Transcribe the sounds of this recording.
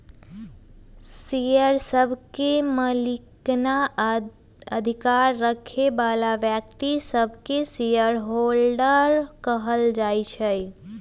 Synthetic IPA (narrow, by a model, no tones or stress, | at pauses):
ssijəɾsəbʱkeməlikna | əd̪ʱikaɾːəkʰebalaʋjək̚t̪isəbʱkesijəɾɦolɖəɾkəɦəld͡ʒajt͡ʃʰə